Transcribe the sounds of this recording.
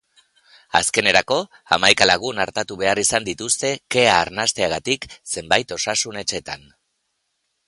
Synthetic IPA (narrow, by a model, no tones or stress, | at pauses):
a̰ske̞ne̞ɾako̞ | a̰majkalaɣ̞unaɾt̪at̪uβe̞arisand̪it̪ust̪e̞ke̞aːɾnast̪e̞aɣ̞at̪ikse̞mbajt̪o̞sasune̞t͡ʃe̞t̪an